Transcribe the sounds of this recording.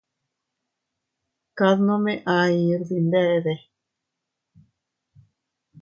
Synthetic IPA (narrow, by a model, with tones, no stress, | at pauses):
ka˧ðno˦me˦ʔa˧i˧ɾzi˧nd̪e˦˧ʔd̪e˧